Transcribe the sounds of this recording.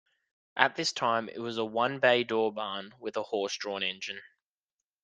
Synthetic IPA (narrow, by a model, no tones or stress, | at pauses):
ʔət̪̚ðɪstʰãɪ̃mɪ̰ʔ̚wɒzəwʌ̃nbeɪdɔːbɑːnwɪðəhɔˑsd̥ɹ̥ɔ̃ːnɛ̃nd͡ʒɨ̃n